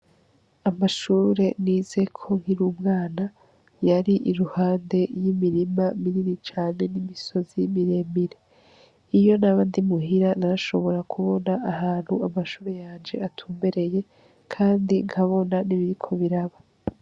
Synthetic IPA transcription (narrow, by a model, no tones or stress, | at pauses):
amaʃuːɾe̞niːz̥e̞kʰo̞ŋ̥iɾuːmŋaːna | jaɾiʔiɾuhaːnde̞jimiɾimamiɾiɾit͡ʃaːne̞nimiso̞zimiɾe̞ːmbiɾe̞ | ijo̞naβaːndimuɦiɾanaɾaʃo̞βo̞ɾakʰuβo̞naʔahaːn̥huamaʃuːɾe̞jaːnd͡ʒe̞atʰuːmbe̞ɾe̞je̞ | kʰaːndiŋhʰaβo̞naniβiɾikʰo̞βiɾaβa